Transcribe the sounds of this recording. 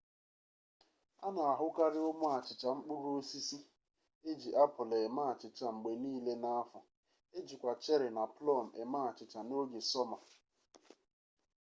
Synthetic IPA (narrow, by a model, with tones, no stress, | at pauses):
a̰˦na˨a˨ɦʊ˦ka˦ɾɪ˦ʊ˦mʊ˦a˨t͡ʃɪ˨t͡ʃa˨ŋ͡m̩˦k͡pʊ˦ɾo˦si˦si˦ | e˦d͡ʒi˨ʔa˦pʊ˨lɔ˨e˨ma˦a˨t͡ʃɪ˨t͡ʃa˨ŋ͡m̩˨ɡ͡be˨niː˦le˦na˦a˦fʊ˨ | e˦d͡ʒi˨kʷa˨t͡ʃe˦ɾɪ˨na˨plɔ˦˨m̩˨e˨ma˦a˨t͡ʃɪ˨t͡ʃa˨no˦ɡe˨sɔ˦ma˨